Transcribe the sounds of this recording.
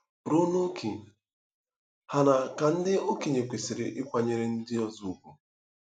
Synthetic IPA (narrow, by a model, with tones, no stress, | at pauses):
ɾu˦no˦kʰe˨ | ha˦na˨ka˨n̩˦dɪ˦o˦ki˨ɲe˨kʷe˨sɪ˨ɾɪ̰˨ʔɪ˦kʷa˨ɲe˨ɾɪ˦n̩˦dɪ˦ɔ˦zu˨u˦˨kʷu˨